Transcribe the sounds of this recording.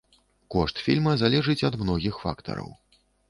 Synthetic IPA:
kɔʂt̪fʲḭlʲmɐzalʲɛʐɨt͡sʲɐd̪mnɔɣʲixfa̰kt̪ɐ̰ɾɐ̰w

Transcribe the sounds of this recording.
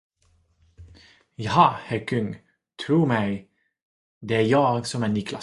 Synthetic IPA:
jɑhɑhæɾkʰʏŋː | t̪ʰɾuːɾmɛɪ | d̪ɛæɾjɑːɡsɔmɛːnɪːkʰla̰

